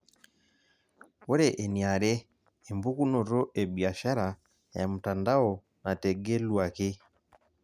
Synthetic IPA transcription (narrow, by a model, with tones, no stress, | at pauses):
wɔ˦ɾɛ˨ʔɛ˨ni˨a˨ɾɛː˦˨ | mbu˦ku˦nɔ˨ɾɔ˦ʔɛ˨bia˨ʃa˦ɾa˨ | ja˨mu˨ta˨nda˦ɔ˨ | na˨tɛ˨ɡɛ˦lwa˨ki˦